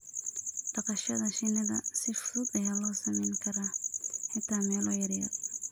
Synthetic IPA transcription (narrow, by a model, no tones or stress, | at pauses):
d̪̥ɑqɑʃɐðɐʃɪnɐðɐ̰sɪfʊðʊd̪ɐjalɔːsɐmɛjŋkʰɐɾaħɪt̪ʰaːmɛːlɔjɐɾjɐ̰